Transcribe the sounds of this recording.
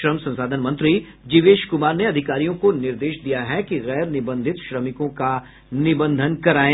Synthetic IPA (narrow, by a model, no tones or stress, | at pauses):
ɾəmsɐ̃nsaːd̪ʱənmɐ̃nt̪ɾi | d͡ʒɪʋeːʃkʊmaːɾneɐd̪ʱɪkaːɾijõkonɪɾd̪eːʃd̪ijaɦɛkiɣɛːɾnɪbə̃nd̪ʱɪt̪ʃɾɐmɪkõka | nɪbə̃nd̪ʱənkɐɾaːẽː